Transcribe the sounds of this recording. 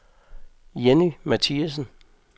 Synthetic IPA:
jenimæt͡sʰiæs̬n̩

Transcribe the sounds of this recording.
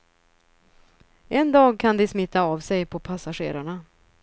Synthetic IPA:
ɛnd̪ɑːɡ̚kʰand̪ɪsmɪt̪ːaavsɛjpʰɔpʰasaɧḛːɾaɳa

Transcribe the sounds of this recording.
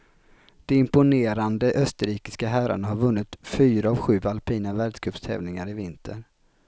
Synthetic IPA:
d̪̥ɛɪmpʊneːɾand̪əʔœst̪əɾiːkɪ̥skaɦæɾa̰ɳaɦaɾvɵnːɪt̪fyːɾaːvɧʉ̟ːvalpʰiːnavæɖʂkʰœpst̪ʰɛ̰ːvnɪŋaɾɪvɪnt̪ʰə̰ɳ

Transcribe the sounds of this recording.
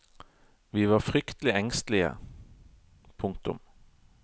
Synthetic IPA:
ʋiːʋɑːfʁʏkt̪əlɪɛŋst̪lɪə̰ | pʰʊŋk̚t̪ʊ̰m

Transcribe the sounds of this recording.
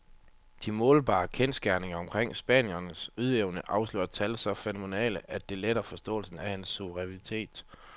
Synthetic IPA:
d̥imɔ̽ːlb̥ɑ̰̈ːkʰensɡ̥æɐne̝ŋɐɒ̽mkʰʁeŋ̰sb̥ɛ̰ːnjɐnəsuð̞ˠeʊnəʔɑ̈ʊslø̰ːɐt͡sʰælsɒ̽fenome̝nɛ̰ːləʔæd̥e̝leɾ̥ɐfɒ̽sd̥ɔ̰̽ːlsn̩æhænsːuʋəʁɛʁit͡sʰe̝̰ːd̥

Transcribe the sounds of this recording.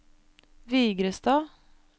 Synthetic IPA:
ʋiːɡɾəst̪ɑː

